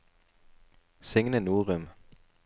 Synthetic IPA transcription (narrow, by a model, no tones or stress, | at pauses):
seŋnənuːʁəm